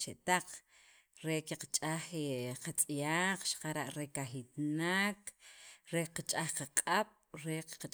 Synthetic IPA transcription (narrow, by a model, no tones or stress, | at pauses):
t͡ʃeʔt̪aq͡χ | ɾekeqat͡ʃʼaxeqat͡sʼjaːq͡χʃḁqaɾaʔɾekaxit̪nakɾeqat͡ʃʼaχqaqʼaɓ̥ | ɾeqa